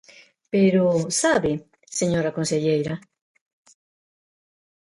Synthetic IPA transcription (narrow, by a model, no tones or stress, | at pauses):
peɾusaβɪ | seɲoɾakonseʎejɾa